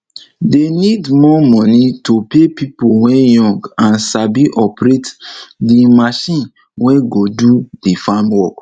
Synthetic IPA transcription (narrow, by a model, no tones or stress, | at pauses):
denidmɔmɔnitopepipowɛ̃jɔ̃ŋɡãnsabiʔɔpɾetdimaʃĩn | wɛ̃ɡodudifamwɔk